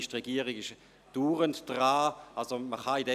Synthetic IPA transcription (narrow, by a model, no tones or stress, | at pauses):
ɪʃtʁeɡiːəʁiɡɪʃ | d̥uːʁəntd̥ʁaːalsoməχaidɛ